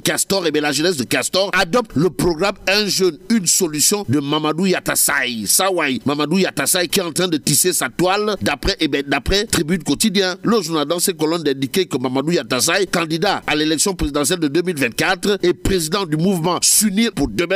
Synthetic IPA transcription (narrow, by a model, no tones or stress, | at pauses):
kast̪ɔʁebɛ̃laʒənɛs̬d̪əkast̪ɔʁad̪ɔp̚t̪ləpʁɔɡʁamɛ̃ʒønynsɔlysjɔ̃d̪əmamad̪ujat̪asa̰jsawajmamad̪ujat̪asajkʲiɛɑ̃t̪χɛ̃d̪ət̪isesat̪wald̪apχɛʔebɛ̃d̪apχɛt̪ʁibynkot̪id̪jɛ̃loʒuʁnad̪ɑ̃sɛ̃kɔlɔnd̪ɛ̃d̪ikekəmːamad̪ujat̪asajkɑ̃d̪id̪aalelɛksjɔ̃pʁezid̪ɑ̃sjɛld̪əd̪ømilvɛ̃t̪̚kat̪ʁepχezid̪ɑ̃d̪ymuvmɑ̃synipuʁd̪əbɛ̃